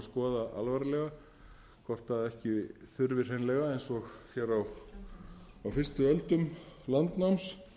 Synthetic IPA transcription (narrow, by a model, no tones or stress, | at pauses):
skɔːðaʔa̰lvaɾlɛɣa | kʰvɔr̥t̪θaðɛhcɪθʏɾvɪr̥hejnlɛɣaejnsɔxçɛːɾaw | awfɪr̥st̪ʏœlt̪ʏmlant̪nawms